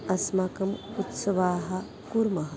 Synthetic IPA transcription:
ɐsmakɐmut̪sɐʋaːɦɐ | kuɾmɐɦɐ

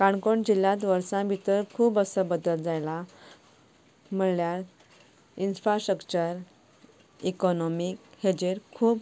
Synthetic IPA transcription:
kaɳkoɳd͡ʑilːãt̪ʋəɾsãbʱit̪əɾkʰuːbəsəbəd̪əld͡zajla | m̤əɳljaɾ | infɾasʈɾəkt͡ɕəɾ | ikɔnɔmikhed͡ʑeɾkʰuːb

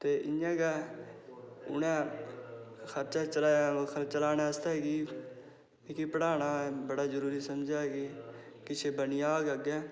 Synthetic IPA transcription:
t̪eːʔɪnãːɡɛː | ʊ̰nɛ̃ː | xʰəɾt͡ʃaːt͡ʃəlaːakʰəɾt͡ʃəlaːnɛ̃ːəst̪aːɦeːɡiː | ikipəɽaːnaːbəɽaːzəɾuːɾiːsəmd͡ʒaːɦɛɡeː | kɪt͡ʃʰeːbənijaːɡəɡɛː

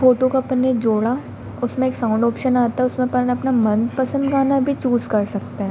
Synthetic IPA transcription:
foːʈokapɐned͡ʒoːɽa | ʊsmẽeːksãʊ̃ɳɖɔːpʃənaːt̪aɦɛʊsmẽpɐlnɐpnamɐ̃nd̪pɐsə̃nd̪ɡaːnabʱit͡ʃuːzkɐɾsɐk̚t̪eɦɛ̃

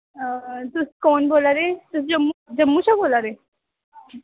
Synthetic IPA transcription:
t̪ʊskɔːnboːlaɾeːt̪ʊsd͡ʒɐmːd͡ʒɐmːut͡ʃʰaboːlaɾeː

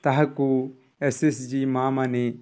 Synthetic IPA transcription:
t̪ɐɦaku | esesd͡ʒimaːmane

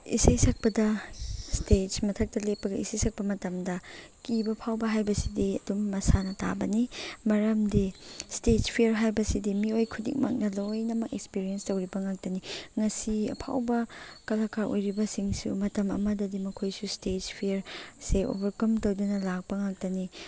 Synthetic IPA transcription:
ḭsɐjsɐk̚pɐdɐstet͡ʃmɐtʰɐk̚tɐlepːɐɡɐisejsɐk̚pɐmɐtɐmdɐ | kibɐpʰawbɐɦajbɐsidiɐ̰dumːɐsanɐta̰bɐnimɐɾɐmdistet͡ʃpʰiɐɾɦajbɐsidimiojkʰudḭk̚ma̰k̚nɐlojnɐmɐkekspiɾienstɐwɾibɐŋak̚tɐniŋɐsiɐ̰pʰa̰wbɐkɐlakʰaɾʔo̰jɾibɐsiŋsṵmɐtɐmɐ̰mɐdɐdimɐkʰojsustet͡ʃpʰieɾseʔo̰bɐɾkɐmtowdunɐlak̚pɐŋak̚tɐni

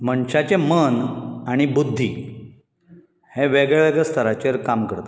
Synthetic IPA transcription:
məɳɕat͡ɕemənaɽ̃ibud̪ʱːi | hẽʋeɡɭʋeɡɭɛst̪ʰəɾat͡ɕeɾkamkəɾt̪ḁ

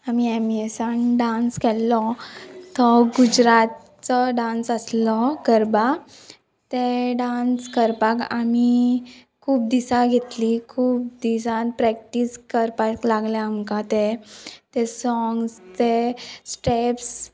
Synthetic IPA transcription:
amiemesanɖãnskɛlːɔt̪ɔɡud͡ʑɾat̪̚ | t͡sɔɖãnsəslɔkəɾba | t̪eɖanskəɾpaka̰mi | kʰuːp̚d̪isaɡʱet̪likʰuːp̚d̪isanpɾɛk̚ʈiskəɾpaklaɡljaːmkat̪et̪ɛsɔŋɡst̪esʈeps

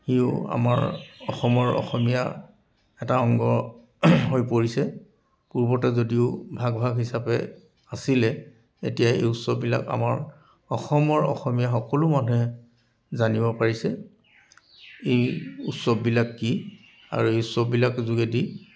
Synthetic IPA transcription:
xiʊ̰a̰ma̰ɹɔxɔmɔɹɔ̰xɔmija̰ | ɛtaɔŋɡɔ | ɦojpoɹisɛ | puɹbɔtɛzodiʊbʱaɡbʱaɡɦisapɛ̰ | asilɛ | etijaḛjutsɔbːila̰ka̰ma̰ɹ | ɔxɔmɔɹɔ̰xɔmijaxɔkɔlʊmanɛ | zanibɔpaɹisɛ | ejutsɔbːilakːi | a̰ɹuejutsɔbːilakzuɡedi

